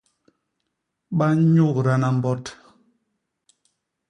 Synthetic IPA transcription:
ɓa˦ɲu˦˨kɾa˦na˨m̩˦bɔ˦t

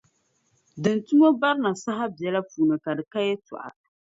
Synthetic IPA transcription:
dɨ˨n˨tu˦mo˦ba˦ɾna˨sa˦ɦa˦bjɛ˨la˦puː˨nɨ˨ka˨dɨ˨ka˦jɛ˦tɔ̰˨ʔa̰˨

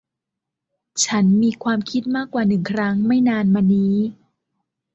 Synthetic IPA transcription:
t͡ɕʰa˦˥nmiː˧kʰwaː˧mkʰi˦˥t̪̚maː˥˩kwaː˨˩nɯ˨˩ŋkʰɾa˦˥ŋma˥˩jnaː˧nmaː˧niː˦˥

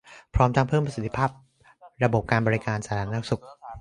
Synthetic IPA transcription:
pʰɾɔː˦˥mt̪ʰa˧ŋpʰɤː˥˩mpɾa˧si˨˩t̪ʰːi̥˧pʰaː˥˩p̚ | ɾa˧bo˨˩p̚kaː˧nbɔː˧ɾi˧˥kaː˧nsaː˧˦ɾʰaː˧˩n˧a˥˩su˨˩k̚

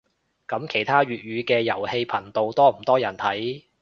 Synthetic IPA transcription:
kɐ˨˥mkʰe˨˩jt̪ʰaː˥ɥyː˨t̚ɥyː˨˧kɛː˧jɐ˨˩whe˧jpʰɐ˨˩nt̪o˧wt̪ɔː˥m̩˨˩t̪ɔː˥jɐ˨˩nt̪ʰɐ˨˥j

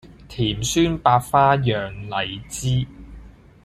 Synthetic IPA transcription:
t̪ʰiː˨˩msyː˥npaː˧t̚faː˥jœː˨˩ŋlɐ˨˩jt͡siː˥

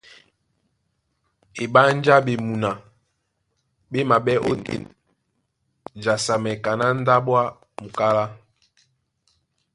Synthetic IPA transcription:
e˨ɓa˦n˦d͡ʒa˦ɓe˨mu˨na˨ | ɓe˦ma˨ɓɛ˦ʔo̰˦tḛ˦ | d͡ʒa˨sa˨mɛ˨ka˨na˦n̩˦da˦ɓwa˦ | mu˨ka˦la˦

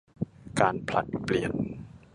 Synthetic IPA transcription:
kaː˧npʰla̰˨˩t̪̚pli˨˩ən

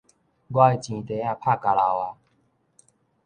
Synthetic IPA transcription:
ɡwa˥˧˨i˨t͡ɕĩ˨t̪e˨˦a˥˧˨pʰa˥˨ka˨la˧˨wa˧˦

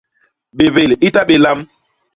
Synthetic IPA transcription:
ɓe˨ve˨li˦ta˦ɓe˨la˦m

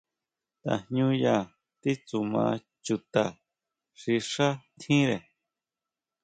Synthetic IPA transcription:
t̪a̰˧hɲũ˧˦ja˧ | t̪i˦t͡su˧mã̰˧ | t͡ʃu˧t̪a˨ | ʂi˧ʂa˦t̪ʰĩ˦ɾe˨

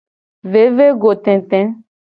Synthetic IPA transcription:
ve˨˦ve˦ɡo˨t̪ɛ̃˨t̪ɛ̃˦

